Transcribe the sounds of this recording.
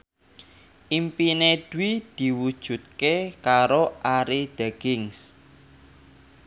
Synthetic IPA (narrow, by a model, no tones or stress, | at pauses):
ʔimpined̪̥uwid̪̥i̤wud̥ʒ̥ṳt̪̚kekaɾoʔaɾid̪̥aɡ̥ɪŋs